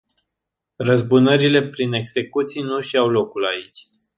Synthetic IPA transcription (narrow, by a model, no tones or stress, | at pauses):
rəzbunəɾile̞pɾine̞ɡse̞kut̪sijnuʃiawlo̞kulait͡ʃʲ